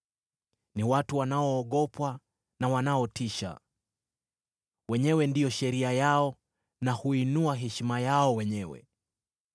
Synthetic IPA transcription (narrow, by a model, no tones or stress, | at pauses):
niwatuwanaɔːɠɔpwa | nawanaɔtiʃa̰ | wɛɲɛwɛndijɔʃɛɾiajaɔ | nahuinuaɦɛʃimajaɔwɛɲɛwɛ̰